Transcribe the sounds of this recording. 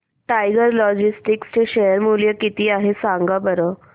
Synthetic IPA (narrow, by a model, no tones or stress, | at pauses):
ʈajɡəɾlɔd͡ʑisʈikst͡ɕeɕejəɾmuljəkit̪iːaɦesaŋɡabəɾə